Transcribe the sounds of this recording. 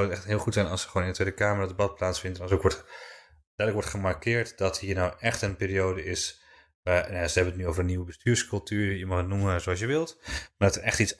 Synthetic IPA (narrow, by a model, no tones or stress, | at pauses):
wətɛxtɦɪlˠχutsɛjnɑlˠsəχʋoːnɪndətʋejdəkaːmərɔtdəbɑt̚plaːtsfɪndənɔsokʋɔt | dɛdləkʋɔɹtχəmarkɪːɹtdɔthiːɹnɔwʔɛχtənpɪːriowdəɪs | ʋanjasəɦɛbənətnyowvərəniwəbəstyːɹskɵlˠtyːɹjəmɔχətnuməzoɑsjəʋɪlˠtmadɔtərɛχtitt͡ss